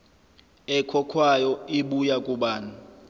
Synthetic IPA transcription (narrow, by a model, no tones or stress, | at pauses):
ɛkʰɔkʰwajɔiɓujakʼuɓaːna